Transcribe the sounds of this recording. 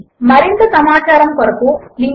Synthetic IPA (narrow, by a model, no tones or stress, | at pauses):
mɐɾint̪ɐsɐmaːt͡ʃaːɾɐmkɐɾɐkuliŋ